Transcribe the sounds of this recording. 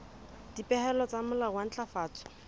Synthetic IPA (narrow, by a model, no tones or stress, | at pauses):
d̥ipʼɛhɛlɔt͡samʊlawan̩t͡ɬʼafaːt͡sɔ̥